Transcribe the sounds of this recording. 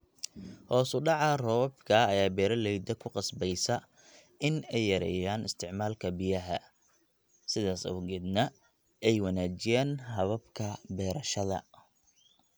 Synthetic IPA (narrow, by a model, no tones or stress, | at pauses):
hɔːsʊɖɑʕɑrɔbkʰɐːjaːbɛːɾɐlɛjd̪ɐkʰʊqɑsbɛjsɐ | ɪnɛjːɐɾɛ̰ːjaːnɪst̪ʰɪʕmaːlkʰɐbɪjɐɦɐ̰ | sɪðaːsɐ̰wɡɛd̪nɐ | ɛjwɑnaːt͡ʃɪjaːnɦɐβɐbkʰɐbɛːɾɐʃɐðɐ̰